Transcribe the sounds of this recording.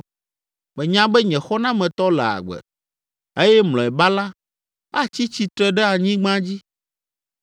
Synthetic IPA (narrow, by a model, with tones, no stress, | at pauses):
mɛ̃˨ɲã˦bɛ˦ɲɛ̃˨xɔ˦nã˦mɛ̃˨t̪ɔ˦lɛ̰˨a̰˨ɡ͡bɛ̰˨ | e˦jɛ˦mlɔ̃˨ɛ˨ba˦la˦ | a˦t͡ɕi˦t͡ɕi˦t̪ɾɛ˦ɖɛ˦a˨ɲĩ˦ɡ͡bã˦d͡ʑi˦